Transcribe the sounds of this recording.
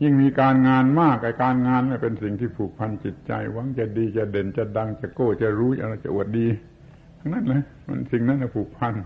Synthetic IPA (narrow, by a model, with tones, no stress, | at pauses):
ji˥˩ŋmiː˧kaː˧nŋaː˧nmaː˥˩k̚la˧˩kaː˧nŋaː˧nla˧˩pe˧nsi˨˩ŋt̪ʰiː˥˩pʰuː˨˩k̚pʰa˧nt͡ɕi˨˩t̪̚t͡ɕa̰˧jwa˧˦˥ŋt͡ɕa˨˧˩diː˧t͡ɕa˨˩de˨˩nt͡ɕa˧˩da˧ŋt͡ɕa˨˩koː˧˩t͡ɕa˨˩ɾuː˦˥a˧ʔa˧˩t͡ɕa̰˨˧˨ʔu˨˩ət̪̚diː˧ | a˧ŋna˦˥˨nla˧˥˩ | ma̰˧˨nsi˨˩ŋna˦˥nla˧˩pʰuː˨˩k̚pʰa˧n